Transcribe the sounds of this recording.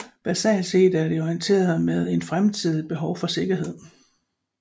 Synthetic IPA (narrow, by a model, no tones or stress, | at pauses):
b̥æsɛ̰ːlse̝̰ːd̥æɐɾ̥e̝ɒient͡sʰe̝̰ːɐð̩ˠmeð̞ˠe̝nfʁamt͡sʰið̰ˠib̥e̝ɦɒʊfɒ̽se̝ɡ̥ɐɦe̝ð̞̰ˠ